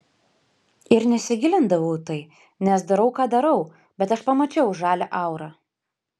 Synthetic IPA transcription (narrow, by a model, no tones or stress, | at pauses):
ɪɾnʲɛsʲɪɡʲɪlʲɪnd̪ɐʋɐʊt̪ɐɪ | nʲɛsd̪ɐɾɐʊkɑːd̪ɐɾɐʊ | bʲɛt̪ɐʃpɐmɐt͡ʃʲɛʊʒɑːlʲɛʔɐˑʊɾɑː